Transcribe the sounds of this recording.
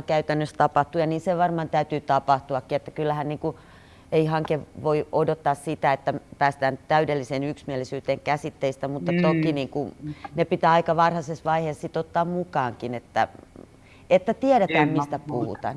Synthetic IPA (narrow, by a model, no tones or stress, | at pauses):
kæyt̪ænːøst̪ɑpɑht̪ujɑniːnseʋɑrmɑːnt̪æyt̪yːt̪ɑpɑht̪uɑkːiet̪ːækylːæhænniːŋku | eihɑŋkeʋʋoiodot̪ːɑːssit̪æet̪ːæpæːst̪æːnt̪æydelːiseːnyksmiælisyːt̪eːŋkæsit̪ːeist̪æmut̪ːɑt̪okiniːŋkunepit̪æːɑikɑʋɑrhɑsesʋɑiheːssit̪ot̪ːɑːmmukɑːŋkinet̪ːæ̰ | et̪ːæt̪iɛɾet̪æːmmist̪æpuhṵt̪ɑ̰ːn